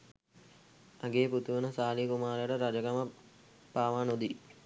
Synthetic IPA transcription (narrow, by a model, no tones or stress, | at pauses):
aɡeːput̪uʋənəsaːlikumaːɾejəʈəɾad͡ʒəkamə | paːʋaːnod̪i